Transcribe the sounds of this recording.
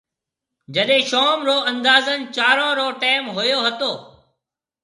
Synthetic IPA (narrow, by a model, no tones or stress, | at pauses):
d͡ʒəɗɦẽːʃoːmɾoːɐ̃nd̪aːzənɪ̆t͡ʃaːɾãːɾoːʈeːɪmɦʊjoːɦɐt̪oː